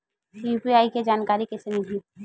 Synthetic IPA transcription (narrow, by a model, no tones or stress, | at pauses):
juːpiaːiked͡ʒaːnkaːɾikɛsemɪli